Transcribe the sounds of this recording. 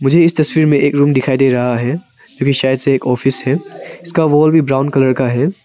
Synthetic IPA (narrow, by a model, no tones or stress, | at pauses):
mʊd͡ʒʱeɪst̪ɐswiːɾmẽʔeːkɾuːmd̪ɪkʰaːid̪eɾɐɦaɦɛː | d͡ʒõːkiʃaːjəd̪seeːkɔːfɪsɦɛːɪskaʋɔːlbʱibɾaːʊ̃nkɐləɾkaɦɛː